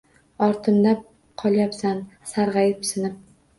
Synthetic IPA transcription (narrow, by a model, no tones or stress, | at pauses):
ɒɾt̪ʰɪmd̪a | qʰɒlˠjapsansaɾʁɑjɪpsɪnɪp̚